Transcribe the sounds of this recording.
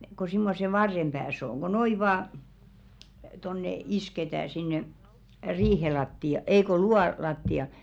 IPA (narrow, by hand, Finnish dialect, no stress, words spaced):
ko simːose ʋɑrːem b̥æːs oŋ ɡ̊o noi ʋɑː tonːe isketæː sinːe riːhe lɑtːiɑ ei ko luɑ lɑtːiɑ